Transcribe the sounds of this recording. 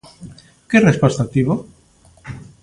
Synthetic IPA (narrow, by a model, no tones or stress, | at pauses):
kerespast̪at̪iβo